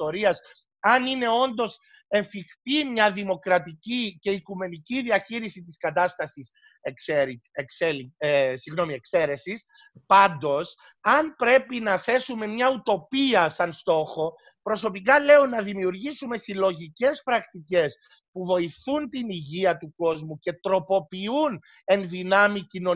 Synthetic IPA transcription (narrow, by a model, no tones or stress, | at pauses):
oɾiɐs | ɐnine̞o̞nd̪o̞s | e̞ɱfixt̪imɲɐðimo̞kɾɐt̪icice̞ikume̞niciðiɐçiɾisit̪iskɐt̪ɐst̪ɐsis | keɾikselisiɣno̞mie̞kse̞ɾe̞sis | pɐnd̪o̞s | ɐnpɾe̞pinɐθe̞sume̞mɲɐut̪o̞piɐsɐnst̪o̞xo̞ | pɾo̞so̞pikɐle̞onːɐðimiuɾʝisume̞silo̞ʝice̞spɾɐkt̪ice̞s | puvo̞iθunt̪iniʝiɐt̪uko̞zmuce̞t̪ɾo̞po̞piun | e̞nðinɐmicino̞